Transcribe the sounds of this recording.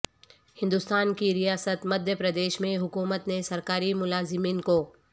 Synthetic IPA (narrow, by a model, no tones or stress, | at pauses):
hɪ̃nd̪ʊst̪aːnkiɾijaːsət̪mɐd̪ʱjəpɾɐd̪eːʃmẽɦʊkuːmət̪nesɐɾkaːɾimʊlaːzɪmiːnkoː